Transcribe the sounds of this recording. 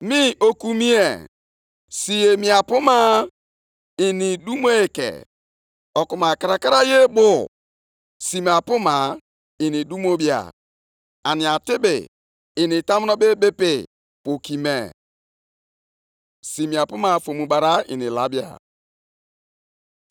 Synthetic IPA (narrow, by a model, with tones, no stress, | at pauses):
mi˦ʔo˦ku˦mi˦e˨ | si˨e˨mi˨a˨pʊ˦ma˦ | i˨ni˨du˦m˦o˦e˨kḛ˨ | ɔ˨ku˨ma˨ka˨ɾa˨ka˦ɾa˦je˦bʊ˨ | si˨m˨a˨pʊ˦ma˨ | i˨ni˨du˦mo˦bi˦a̰˨ | a˨nɪ˨a˨tɪ˦bɪ̰ː˨ | ni˨ta˦m˦nɔ˦be˦bɪ˦pɪ˨ | po˨ki˨mḛ˨ | si˨mĩ˨a˨pʊ˦ma˨fo˨mũ˨ba˨ɾa˦ḭ˨nḭ˨la̰˦bi˦a̰˨